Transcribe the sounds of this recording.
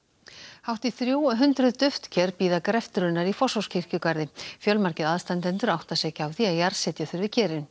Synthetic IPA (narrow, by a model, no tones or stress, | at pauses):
hawht̪iθɾjuːwɦʏnt̪ɾʏðt̪ʏft̪cʰɛɾpiːðakɾɛft̪ʏɾʏnːaɾifɔsawscʰɪr̥cʏkaɾðɪfjœlmaɾcɪðaðst̪ant̪ɛnt̪ʏɾawht̪asɛːcaaːwθiajaɾsɛt̪jaθʏɾvɪcʰɛːɾɪn